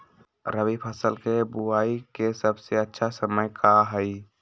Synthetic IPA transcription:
ɾəbipʰəsəlkebuaikesəbseətːʃʰasəməjkʰaɦəɪ

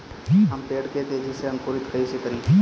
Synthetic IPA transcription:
ɦɐmpeːɽket̪ed͡ʒiseɦɐmkoːɾɪt̪kɐisekɐɾĩː

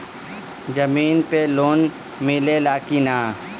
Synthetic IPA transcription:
d͡ʒəmiːnpeloːn | mɪlelaːkinaː

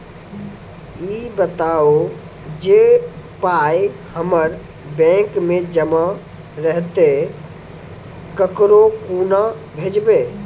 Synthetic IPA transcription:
iːbət̪ao | d͡ʒepajhəməɾ | bɛ̃kmẽd͡ʒəma | ɾəɦt̪e | kəkɾokuna | bʱed͡ʒbe

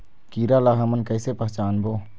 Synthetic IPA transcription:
kiːɾalaːɦɐmənkəɪsepɐɦt͡ʃaːnboː

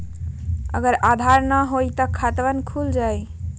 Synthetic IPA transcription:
ə̰ɡəɾad̪ʱaɾnəɦojt̪əkʰat̪ʋənkʰuld͡ʒaj

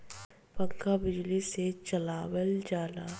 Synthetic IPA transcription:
pɐkːabɪd͡ʒliset͡ʃɐlaːwəld͡ʒaːlaː

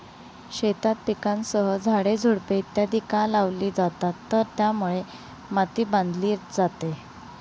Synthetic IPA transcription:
ɕet̪at̪̚pikãnsəɦəd͡zʱaɽed͡zʱuɽpet̪ːjad̪ikãlaʋliːd͡zat̪at̪ːəɾt̪jamuɭe | mat̪iːbãnd̪liːɾd͡zat̪e

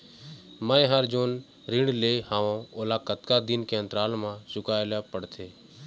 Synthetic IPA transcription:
mãːẽɦəɾd͡ʒoːn | ɾɪɳɖleːhaːʋõolaːkət̪kad̪ɪnkeə̃nt̪ɾaːlmãsʊkaːjlapəɽt̪ʰeː

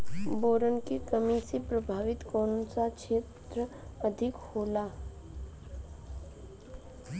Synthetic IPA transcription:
boːɾənkekəmisepɾɐbʱaːʋɪt̪kɔ̃ːnsakʃʰeːt̪ɾə | əd̪ʱɪkhoːla

